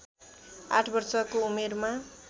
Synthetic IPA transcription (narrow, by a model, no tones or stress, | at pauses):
a̰ʈʰbʌrsʌkoumerma